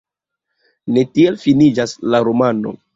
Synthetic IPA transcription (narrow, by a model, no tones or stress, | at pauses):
ne̞tie̞lfinid͡ʒaslaɾomano̞̰